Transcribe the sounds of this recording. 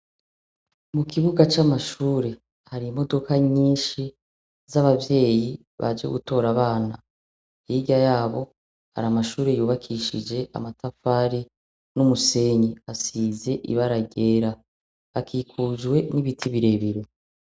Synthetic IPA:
mukʰiβuɡat͡ʃamaʃuːɾe̞ | haɾimo̞do̞kʰaɲiːnʃi | zaβavje̞ːji | βa̰d͡ʒḛɡuto̞ːɾaβaːna | iɟajaːβo̞ | ha̰ɾamaʃuːɾe̞juːβakʰiʃid͡ʒe̞ʔa̰matʰafaːɾi | numuse̞ɲiasiːze̞ʔḭβaɾaɡe̞ɾa | akiːkʰuːʒwe̞niβitʰiβiɾe̞βiɾe

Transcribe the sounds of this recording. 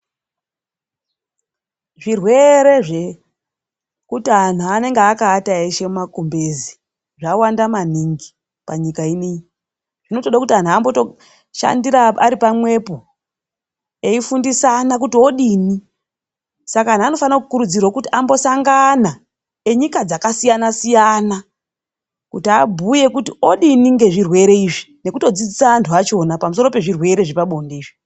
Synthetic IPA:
ʐirwe̞ɾe̞ʐe | kutian̤uane̞ŋɡeakaːtaeʃemumakumbezi | ʐawandamaniŋɡi | paɲikainiɲi | ʐ̥ino̞to̞ɗakutian̤uambo̞to | ʃa̰ndiɾaaɾipamwe̞po | eifundisanak̬utio̞ɗini | sakaan̤ano̞fanakukuɾud͡zirwokutiambo̞saŋɡana | e̞ɲikad͡zakasijanasijana | kutiabʱuje̞kutio̞ɗiniŋɡe̞ʐirwe̞ɾe̞iːʐi | ne̞kuto̞d͡zid͡zisaantʰuat͡ʃo̞napamuso̞ro̞pe̞ʐirwe̞ɾe̞ʐipaɓo̞ndeiːʐi

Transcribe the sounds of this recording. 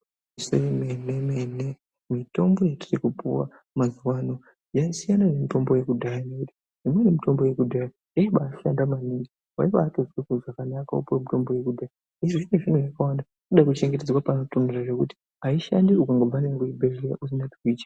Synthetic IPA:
iso̰imenemene | mito̞mbo̞jatirikupuwa̰ | mazuwano̞ | jaisijanaʐemito̞mbo̞je̞kudʱajanekuti̥ | ʐ̥imwenemito̞mbo̞je̞kudʱaja | jaiɓaːʃandamaniŋɡi | wa̰iʋaːtozwikuʐakanakaupuwamito̞mbo̞je̞kudʱaja | iʐiʐineʐin̤ujakawanda | koɗakut͡ʃe̞ŋɡet̬ed͡zwapanotondiraʐe̞kuti̥ | ɦaiʃa̰ndiukaŋɡavanirakuibʱereɾa̰ʔus̬inati̥kuiːtḁ

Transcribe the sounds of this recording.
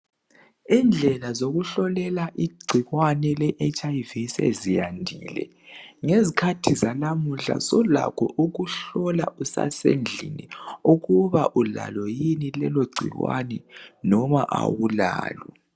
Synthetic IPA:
ind͡ɮʱɛlazoɣuɬɔlɛlaʔiɡ͡ǀʱiɣwanɛlɛʔet͡ʃʼajvisḛzijandʱiːlɛ̰ | ŋezikʰatʰizalamuɬa̰sɔla̰kʰɔ̰ʔuɣuɬɔla̰usa̰send͡ɮʱiniuɣuβaʔula̰lɔjinilɛloɡ͡ǀʱḭɣwa̰nɛnɔmaʔa̰wulaːlwɔ

